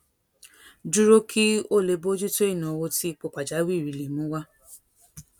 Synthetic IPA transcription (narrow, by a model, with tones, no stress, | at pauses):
d͡ʒu˦ɾo˦kʰi˦o˦˨le˧˨bo˦d͡ʒi˦to˦i˦˨nɔ̃˨wo˧ti˦k͡po˨k͡pa˨d͡ʒa˨˦wi˦˨ɾi˨li˨mũ˨˦wa˦